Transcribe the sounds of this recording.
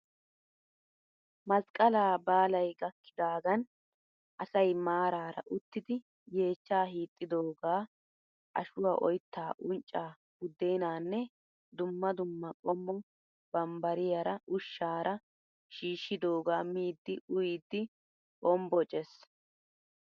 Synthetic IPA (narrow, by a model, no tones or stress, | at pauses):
mɐskʼːɐlaːbaːlɐjɡɐkːɪd̪aːɡɐn | ʔɐsɐjmaːɾaːɾɐ̰ʔʊt̪ːɪd̪ɪ | je̞ːt͡ʃːaːɦiːt̪ʼːɪd̪oːɡaː | ʔɐ̰ʃʊwaʔɔjt̪ːaːʔʊnt͡ʃʼːaː | ɡ̥ʊd̪ːejnaːnːɛ | d̪ʊmːɐd̪ʊmːɐkʼɔmːɔ | b̥ɐmbɐɾɪjɐɾɐʊʃːaːɾɐ | ʃiːʃːɪd̪o̞ːɡaːmiːd̪ːɪʔʊjid̪ːɪ | kɔmbɔt͡ʃʼɛs